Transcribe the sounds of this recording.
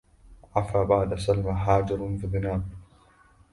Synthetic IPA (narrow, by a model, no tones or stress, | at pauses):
ʕafaːbaʕd̪asalmaħaːd͡ʒɪɾfɪbɪnaːb